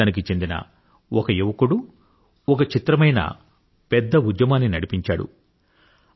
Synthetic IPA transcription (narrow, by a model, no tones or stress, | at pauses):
aːnik̬it͡ʃe̞nd̪inɐ̰ | ɔkɐjuʋɐkuɽu | ɔkɐt͡ʃit̪ɾɐmɐjnɐ̰ | pɛd̪ːɐud̪jɐmaːnːinɐɽipiɲt͡ʃa̰ːɽṵ